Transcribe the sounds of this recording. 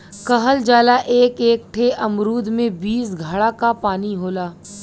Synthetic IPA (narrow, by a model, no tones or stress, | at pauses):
kɐɦəld͡ʒaːlaʔeːkeːk̚ʈʰeʔɐmɾuːd̪ʱmẽbiːsɡʱəɽakapaːniɦoːlaː